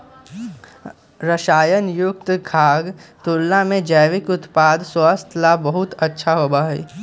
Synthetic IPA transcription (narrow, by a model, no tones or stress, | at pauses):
ɾəʃaːjənjʊk̚t̪ɡʱaːɡt̪ulːamẽd͡ʒəjʋɪkʊt̪paːd̪swaːst̪ʰlabɐɦʊt̪ətːʃʰaɦoːbaːɦḭː